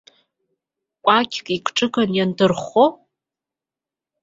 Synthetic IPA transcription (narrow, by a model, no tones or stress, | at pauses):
kʷʼakʲʰkʼikʷʰʼʈ͡ʂʼɨkʼanjandɨrχo